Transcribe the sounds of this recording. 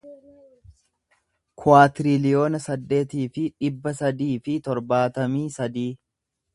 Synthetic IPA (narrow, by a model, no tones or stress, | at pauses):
kʰʊaːt̪ɪɾɪlɪjo̞ːnɐsɐd̪ːe̞ːt̪iːfɪᶑɪbːɐsɐd̪iːfɪt̪ɔɾbaːt̪ɐmiːsɐd̪iː